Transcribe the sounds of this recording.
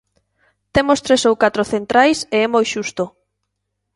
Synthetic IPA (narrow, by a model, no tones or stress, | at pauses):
t̪emost̪ɾesowkat̪ɾoθent̪ɾajseɛmojʃust̪o